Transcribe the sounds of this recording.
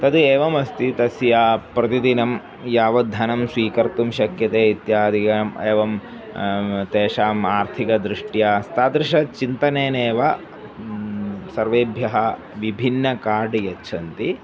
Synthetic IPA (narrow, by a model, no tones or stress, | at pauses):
t̪ɐd̪eːʋɐmɐst̪it̪ɐsjaːpɾɐt̪id̪inɐm | jaːʋɐd̪ʱɐnɐmsʋiːkɐɾt̪umʃɐkjɐt̪eːit̪jaːd̪ʱikɐmeːʋɐm | t̪eːʃaːmaːɾt̪ʰikɐd̪ɾɪʂʈjaːst̪aːd̪ɾɪʂɐt͡ʃint̪ɐneːneːʋɐ | sɐɾʋeːbʱjɐɦɐ | ʋibʱinːɐkaːɖijɐtːt͡ʃʰɐnt̪i